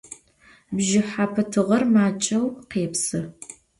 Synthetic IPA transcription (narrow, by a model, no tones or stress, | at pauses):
bʒɪħaːpʰɐtʰɨʁɐrmaːt͡ʃʼɐwqeːpsɨ